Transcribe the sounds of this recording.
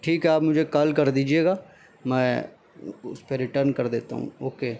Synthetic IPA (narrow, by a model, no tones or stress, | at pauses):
ʈʰiːkɦɛaːpmʊd͡ʒʱekɐlkɐɾd̪iːd͡ʒieːɡaː | mɛ̃ː | ʊspeɾɪʈəɾnkɐɾd̪eːt̪a̰ɦṵ̃ːoːkeː